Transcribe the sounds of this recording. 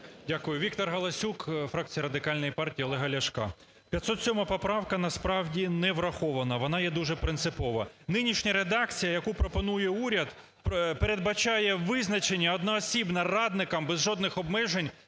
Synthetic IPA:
dʲakʊjʊʋʲik̚t̪ɔrɦɐlˠɐsʲukfɾɑk̚t͡sʲijɐɾɐd̪ɪkɑlʲnɔjipɑrtʲiiɔlˠɛɦɐlʲɐʃkɑ̰ | pʲjɐt̪sɔt̪sʲɔmɐpɔpɾɑwkɐnɐspɾɑwdʲinɛʋɾɐxɔʋɐnɐʋɔnɑjɛd̪uʒɛpɾɪnsɪpɔʋɐnɪnʲiʃnʲɐɾed̪ɑk̚t͡sʲijɐjɐkupɾɔpɔnujɛuɾʲɐd̪ | ppeɾed̪̚bɐt͡ʃɑjɛʋɪznɐt͡ʃenʲːɐɔd̪nɐɔsʲibnɐrɑd̪nɪkɐmbɛzʒɔd̪nɪxɔbmɛʒenʲ

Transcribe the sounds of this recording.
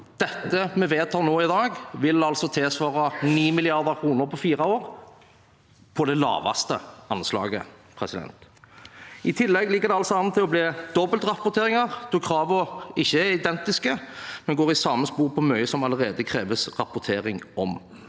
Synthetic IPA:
d̪̥ɛt̪ːəmɛʋeːt̪hæɾnoːɪd̪ɑːɡʋɪlɑlsɔt̪ʰɪlsʋɑːɾɑniːmɪlɪɑɾd̪əʁkʰɾuːnəɾpʰɔfiːɾɑoːɾ | pʰɔd̪ɛlɑ̰ːʋɑ̰st̪əɑnslɑ̰ːɡə̰pʰɾɛsɪd̪ɛ̰nt̪ | ʔɪt̪ʰɪlːɛɡlɪkːəɾd̪ɛɑlsɔɑnət̪ʰːɪlɔbleːd̪ɔbəlt̪ɾɑpʊt̪ʰeːɾɪŋɑʁt̪ʰukʰːɾɑːʋɔɪçːəæɪd̪ɛnt̪ɪskəmɛnɡoːʁɪsɑːməspuːʁpʰɔmœʏəsɔmɑləɾeːd̪əkʰɾeːʋəsʁɑpʊt̪ʰeːɾɪŋɔm

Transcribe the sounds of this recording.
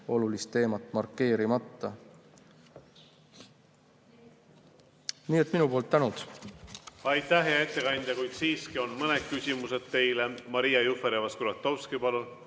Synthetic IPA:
o̞lulist̪ːe̞ːmɑt̪ːˑmɑrkːe̞ːɾimɑt̪ˑːɑ | niːet̪ːˑminupoːlt̪ːænut̪ | ɑjt̪ːæhɦeɑe̞t̪ːe̞kɑnʲd̪̥ʲjɑkujt̪siːskio̞nmɤned̪̥̚kysʲimuse̞d̪̥t̪ːe̞jlemɑɾijɑjufeɾevɑskuɾɑt̪ːˑo̞wskipɑlul

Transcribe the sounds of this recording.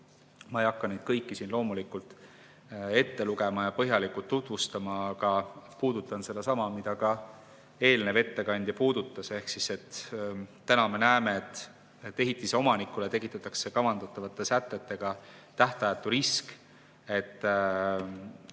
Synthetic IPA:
mɑejɑkːˑɑned̪̥̚kɤjkːisinlo̞ːmulikult̪ˑ | e̞t̪ːe̞luɡe̞mɑjɑpɤɦjɑlikult̪ːut̪ˑvust̪ɑmɑɡɑpuːd̪̥ut̪ːˑɑnse̞d̪ɑsɑmɑmid̪̥ɑkɑ | e̞ːlne̞ve̞t̪ːekɑnʲd̪̥jɑpuːd̪̥ut̪ːˑɑse̞hksise̞t̪ː | ænɑme̞næeme̞et̪ˑː | e̞ɦit̪ːˑiseo̞mɑnikːˑulet̪e̞kˑit̪ːˑɑt̪ːˑɑkse̞kɑvɑnd̪ɑt̪ːˑɑvɑt̪ːˑe̞sæt̪ːˑe̞t̪ːe̞ɡ̥ɑt̪æht̪ɑjɑt̪ːˑuɾisk | e̞t̪ːˑ

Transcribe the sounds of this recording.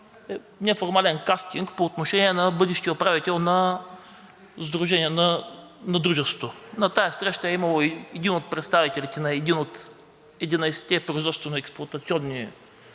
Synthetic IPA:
ɛ | nɛfoɾmalɛnkast̪iŋkpoːt̪noʃɛniɛnɐbɤd̪ɛʃt̪iopɾavit̪ɛlˠnɐ | zd̪ɾʊʒɛnʲiɛnɐnɐd̪ɾuʒɛst̪o̥t̪onɐt̪ajɐsɾɛʃt̪əɛimɐlˠoɛd̪inot̪̚pɾɛt̪st̪avit̪ɛlit̪ɛnɐɛd̪inot̪ | ɛd̪inɐjsɛ̥t̪ɛpɾoizvɔt̪st̪vɛnoɛksplˠʊɐt̪ɐt̪siɔnːi

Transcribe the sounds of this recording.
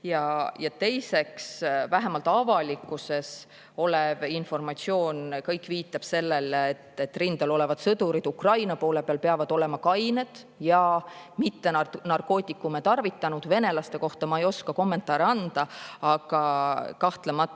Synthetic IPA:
jɑjɑt̪e̞jse̞ksvæɦe̞mɑlt̪ːˑɑvɑlikːˑuse̞s | o̞levinfo̞rmɑt̪sio̞ːnkɤjkːˑviːt̪ːˑɑb̥se̞lːe̞let̪ːet̪ːrind̪̥ɑlo̞le̞vɑd̪̥sɤd̪uɾid̪̥ukrɑjnɑpo̞ːle̞peɑlpe̞ɑvɑd̪̥o̞le̞mɑkɑjne̞d̪̥ | jɑ | mit̪ːe̞nɑrko̞ːt̪ʲˑːikːˑumet̪ɑrvit̪ːˑɑnud̪̥ve̞ne̞lɑst̪e̞ko̞ht̪ɑmɑejo̞skɑko̞mːe̞nt̪ːˑɑːɾeɑnd̪̥ɑɑɡ̥ɑkɑht̪lemɑt̪ːˑ

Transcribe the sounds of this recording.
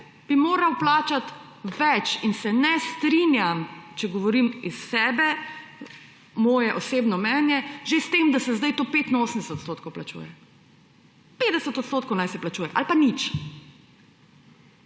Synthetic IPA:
b̥imoːɾawplaːt͡ʃat̪ʋɛt͡ʃinsɛnɛst̪ɾinjamt͡ʃɛɡɔʋɔɾimisːɛːbɛ | mɔːjɛʔɔseːbnɔmɛːnjɛʒest̪emd̪asɛzd̪ajt̪oːpet̪inoːsəmd̪ɛsɛt̪t̪stoːt̪̚kowplat͡ʃṵjɛ | peːd̪ɛsət̪ɔt̪st̪oːt̪̚kownajsɛplat͡ʃuːjɛʔa̰lpanit͡ʃ

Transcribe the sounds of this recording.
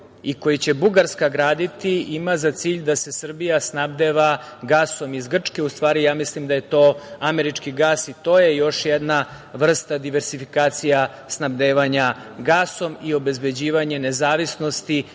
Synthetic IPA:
iko̞jit͡ɕe̞buɡaɾskaɡɾaːd̪it̪iimazat̪siːʎd̪ase̞sr̩bijasnabd̪eʋaɡaːso̞mizɡr̩t͡ʂke̞ust̪ʋaːɾijaːmislimd̪aje̞t̪o̞ːameɾit͡ʂkiɡaːsit̪o̞ːje̞jo̞ʃjɛd̪na | ʋr̩st̪ad̪iʋe̞ɾsifikaːt̪sija | snabd̪eːʋaɲaɡaːso̞mio̞be̞zbe̞d͡ʑiːʋaɲe̞ne̞zaːʋisno̞st̪i

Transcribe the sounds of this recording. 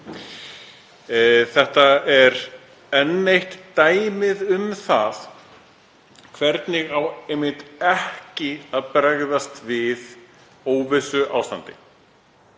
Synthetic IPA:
θɛht̪aɛɾ | ɛnːejht̪ːaːjmɪðʏmθaθ | kʰvɛɾt̪nɪɣawejmɪht̪ɛhcɪaðpɾaɣðast̪vɪð | oːwvɪsʏʔawst̪a̰nt̪ɪ

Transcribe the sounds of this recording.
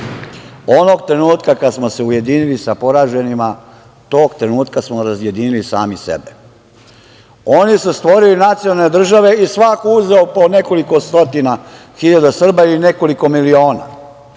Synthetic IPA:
o̞no̞ɡt̪ɾe̞nuːt̪kakad̪smo̞se̞uje̞d̪inilisapo̞ɾaːʒe̞nima | t̪o̞ːɡt̪ɾe̞nuːt̪kasmoɾazje̞d̪inilisa̰ːmisḛbe | onisust̪ʋo̞ɾilinat̪sionalned̪r̩ʒaʋe̞isʋakouzeopo̞ne̞ko̞liko̞st̪o̞t̪ina | xiʎad̪asr̩bailine̞ko̞liko̞milio̞ːna̰

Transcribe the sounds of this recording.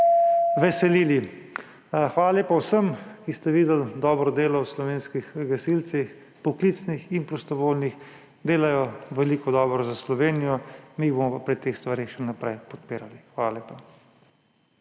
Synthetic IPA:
ʋɛsɛliːli | xʋaːlaleːpawsəmkist̪ɛʋiːd̪ɛld̪ɔːbɾɔd̪eːlɔwslɔʋeːnskixɡasilt̪six | pɔkliːt̪snixinpɾɔst̪ɔʋoːlnix | d̪eːlajɔʋɛliːkɔd̪ɔːbɾɔzaslɔʋeːnijɔmibomɔpapɾit̪eːxst̪ʋaɾeːxʃɛnapɾɛjpɔt̪̚peːɾalixʋaːlaleːpa

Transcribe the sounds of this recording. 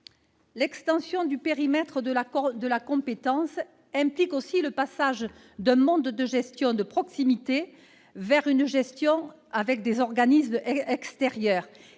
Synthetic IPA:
lɛkst̪ɑ̃sjɔ̃d̪ypeʁimɛt̪χəd̪əlad̪əlakɔ̃pet̪ɑ̃s | ɛ̃plikosiləpasaʒ | d̪ɛ̃mɔ̃d̪d̪əʒɛst̪jɔ̃d̪əpχɔksimit̪e | vɛʁynʒɛst̪jɔ̃ | avɛk̚d̪ezɔʁɡanismɛɛkst̪eʁjœːʁ

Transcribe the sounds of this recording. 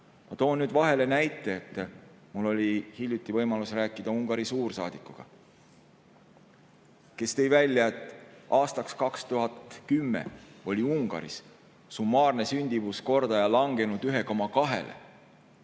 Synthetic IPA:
mɑt̪o̞ːnnyːd̪vɑɦe̞le̞næjt̪ːˑe̞ːt̪ːˑ | mulːo̞lʲihilʲjut̪ːˑivɤjmɑlusræːkːˑid̪̥ɑuŋɡ̥ɑɾisuːrsɑːd̪̥ikːˑuɡ̥ɑ̰ | ke̞st̪e̞jvælʲjɑet̪ːˑɑːst̪ɑkskɑkst̪uɦɑt̪kymːḛo̞lʲiuŋɡ̥ɑ̰ɾḭs | sumːɑːrne̞synʲd̪̥ivusko̞rd̪̥ɑjɑlɑŋɡ̥e̞nud̪yɦe̞ko̞mɑkɑɦe̞̰lʔḛ

